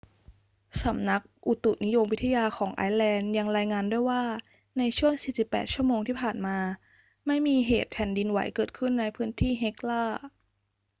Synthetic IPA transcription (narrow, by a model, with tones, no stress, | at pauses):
sa˩˦mna˦˥k̚ʔu˨˩t̪u˨˩ni˦˥jo˧mwt̪ʰːa˧jaː˧xʰɔː˩˦ŋʔa̰ː˧˥jlɛː˧nja˧ŋɾaː˧jŋaː˧ndu˥˩əjwaː˥˩ | na˧jt͡ɕʰu˥˩əŋsiː˨˩si˨˩pːɛ̰ː˨˩t̪̚t͡ɕʰu˥˩əmoː˧ŋt̪ʰiː˥˩pʰaː˨˩nmaː˧ | ma˥˩jmiː˧ɦeː˨˩t̪̚pʰɛ˨˩˦ndi˧nwa̰˩˦jkɤː˨˩t̪̚kʰɯ˥˩nːa˧jpʰɯː˦˥nt̪ʰiː˥˩ɦe˦˥k̚laː˥˩